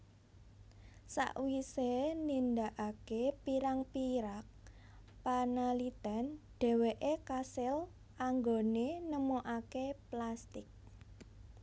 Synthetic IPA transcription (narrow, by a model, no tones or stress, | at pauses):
sa̰ʔwisenind̪aʔakepiɾaŋpiɾak̚ | panalit̪anɖ̥ɛ̤weʔekasɪl | aŋɡonenəmoʔakeplast̪ɪk̚